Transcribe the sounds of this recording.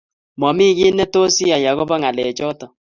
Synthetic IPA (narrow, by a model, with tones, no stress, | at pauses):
mɔ˨mi˦ɣi˦nɛ˦to˦si˦a˨ja˨ɣo˦ba˦ŋa˨lɛ˨t͡ʃɔ˦tɔ˨